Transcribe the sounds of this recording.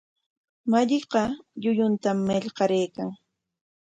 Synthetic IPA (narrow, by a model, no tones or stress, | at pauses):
maʎɪqɑʎʊjʊnt̪amːeʎqɑɾejkaŋ